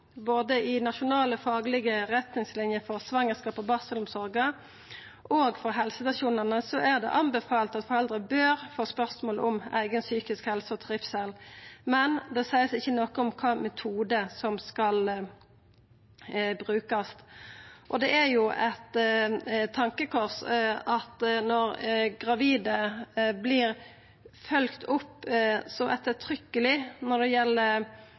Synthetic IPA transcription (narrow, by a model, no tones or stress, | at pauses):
boːd̪əɪnɑʃʊnɑːləfɑːɡlɪɡəʁɛt̪nɪŋslɪnjəfɔʁsʋɑŋːəskɑːpɔbɑːsəlʊmsɔɾɡə | ʔoːɡfɔʁɦɛlsəst̪ɑʃuːnənəsɔʔæʁd̪ɛ̰ʔɑmbɛfɑːlt̪ɑt̪fɔʁɛld̪ʁəbøːɾfoːspœʁsmoːlɔmæ̰ɪɡənsyːkɪskhɛlsəɔt̪ʰɑʁɪfsɛlmɛnd̪ɛsæɪəsɪçːənɔkəɔmkʰɑːmɛt̪ʰuːd̪əsɔmskɑl | bɾʉːkɑst̪ʔɔd̪ɛæɾjʊʔɛt̪ | t̪ʰːɑŋkəkʰɔʁsɑt̪nɔɾɡʁɑʋiːd̪əblɪːɾ | fœlkt̪ʰʊpːsɔʔɛt̪ːət̪ʰɾʏkːəlɪnɔd̪ɛjɛlːəɾ